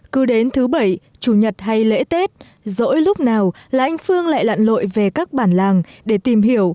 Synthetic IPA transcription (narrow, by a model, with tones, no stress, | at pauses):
kɨ˨˦ɗe˨˦nt̪ʰɨ˨˦ɓə˧˩j | t͡ɕu˧˩ɲə˨˩t̚ha˧jlḛ˧˥t̪e˦˥t̚ | zo̰˧˥jlʊ˦˥k͡p̚naː˨˩wlaː˨˩ʔa˧jŋ̟fɨ˧əŋla̰ː˧˨jla̰ː˧˨nlo̰˧˨jve˨˩kaː˦˥k̚ɓaː˧˩nlaː˨˩ŋɗe˧˩t̪i˨˩mɦi˧˩əw